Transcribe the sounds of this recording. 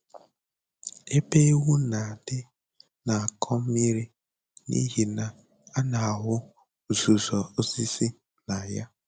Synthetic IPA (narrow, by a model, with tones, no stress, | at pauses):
e˦pe˦wu˦na˨dɪ˦ | na˨a˨kʰɔ˦mi˦ɾi˦ | nḭ˦ɦi˨na˨ | a˦na˨a˨ɦʊ˦˨ | zu˨zɔ˨o˦zi˦si˦ | na˨ja˦